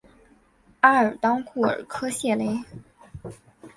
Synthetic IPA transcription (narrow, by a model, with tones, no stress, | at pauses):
a˥ə˞˨˩t̪ɑ˥ŋkʰu˥˩ə̰˞˨˩kʰɤ˥ɕjɛ˥˩le˥ɪ